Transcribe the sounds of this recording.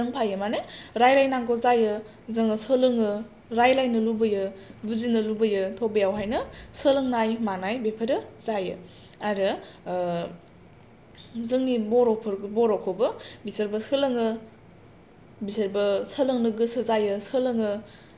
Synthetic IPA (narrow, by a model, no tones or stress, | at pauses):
ŋpʰajɯmaneɾajlajnaŋɡozajɯ | zɯŋɯsəlɯŋɯ | ɾajlajnɯlubɯjɯbuzinɯlubɯjɯtʰobɐjawɦajnɯsəlɯŋnajmanajbepʰəɾɯzajɯ̰ | aɾɯ | zɯŋnibɔɾɔpʰɾbɔɾɔkʰobɯbisɐɾbɐsəlɐŋɯ | bisɐɾbɐsəlɐŋnɯɡɯsɯzajɯsəlɯŋɯ